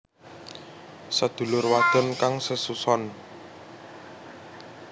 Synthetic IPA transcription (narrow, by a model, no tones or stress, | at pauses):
sad̪̥ṳlʊrwad̪̥ə̤nkaŋsəsusɔn